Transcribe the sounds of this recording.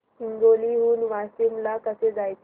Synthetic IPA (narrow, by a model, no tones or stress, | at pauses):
iŋɡoliɦuːnʋasimlakəsed͡zajt̪